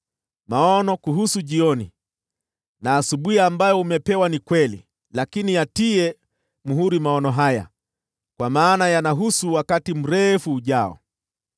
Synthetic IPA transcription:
maɔnɔkuɦusuʄiɔni | naːsuɓuhiambajɔumɛpɛwanikwɛlḭ | lakinijatiɛ | muɦuɾimaɔnɔɦaja̰ | kwamaːnajanaɦusuwakatim̩ɾɛfuːʄaɔ̰

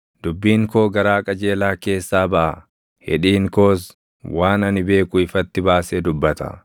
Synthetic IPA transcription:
d̪̥ʊbːiːŋko̞ːɡɐɾaːkʼɐd͡ʒe̞ːlaːke̞ːsːaːbɐʔɐ | hɛ̰ᶑiːŋko̞ːs | waːnɐnɪbe̞ːkʊɪfɐt̪ːɪbaːsed̪ʊbːɐt̪ɐ̰

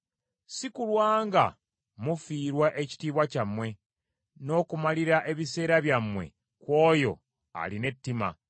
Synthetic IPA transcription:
sikulwaːŋɡa̰ | mufiːɾwaʔe̞ci̥tiːβwacamwe̞ | no̞ːkumaliɾaʔe̞βise̞ːɾaβjamwe̞̰ | kwo̞ːjo̞̰ | a̰line̞tːima̰

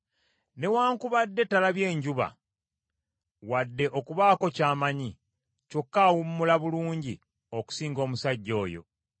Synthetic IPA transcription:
ne̞waːŋkuβadːe̞tːalaβje̞ːɲɟuβa̰ | wadːe̞ʔo̞kuβaːko̞caːmaɲi | co̞kːawumːulaβuluːɲɟi | oku̥siːŋɡo̞ːmusaɟːo̞ːjo̞̰

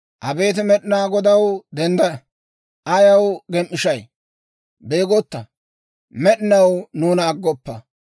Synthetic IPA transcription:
ʔɐbe̞ːt̪̬ɪmɛɗɪnaːɡɔd̪ɐwd̪ɛnd̪ɐɐ | ʔɐjɐwɡɛmʔːɪʃɐj | beːɡɔt̪ːɐ | mɛɗɪnɐwnuːnɐːɡːɔpːɐ

